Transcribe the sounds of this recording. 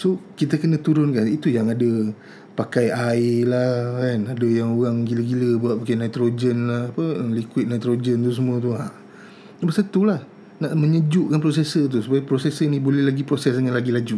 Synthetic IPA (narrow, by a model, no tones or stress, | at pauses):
sokit̪əkənət̪uɾʊnkanit̪ujaŋadə | pakajalakanadajaŋoɣaŋɡiləɡiləbuaʔ̚pakajnajt̪ɾod͡ʒənlahːpəəlikwɪt̪̚najt̪ɾod͡ʒənt̪us̬əmũə̃t̪̬uaʔ | bəsət̪ulah | naʔmə̃ɲəd͡ʒʊʔkanp̬ɾos̬esət̪̬usupajapɾosesənibolɛhlaɡipɾosɛs̬dəŋanlaɡilad͡ʒu